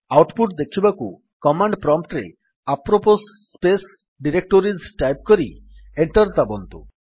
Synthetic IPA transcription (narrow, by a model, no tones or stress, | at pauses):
awʈpuʈ̚d̪ekʰibaku | kɔmaɳɖpɾɔmpʈɾḛ | apɾopos | pes | ɖiɾek̚ʈoɾizʈajp̚kɔɾieɳʈɔɾt̪abont̪ṵ